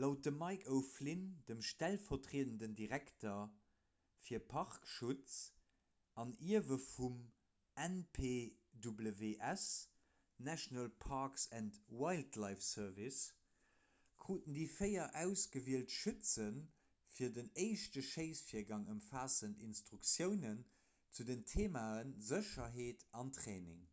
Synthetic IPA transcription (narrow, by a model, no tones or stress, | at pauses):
lɑʊt̚dəmɑɪkʰəʊflindəmʃtælfɐtʁeːəndəndiʁæktɐ | fiːɐpʰɑʁkʃut͡s | ɑniɐvəfum | ɛnpʰeːdubləveːʔæs | næʃnəlpʰɑːksæntwaɪltʰlɑɪfsœɐvis | kʁuːtəndiːfəɪɐʔæʊsɡ̥əviəltʃʉt͡sən | fiːɐdənəɪʃtəʃeɪsfiːɐɡɑŋəmfaːsəntinstʁukt͡sjəʊnən | t͡sudəntʰeːmaːənzəʃɐɦeːtɑntχeːnɪ̰ŋ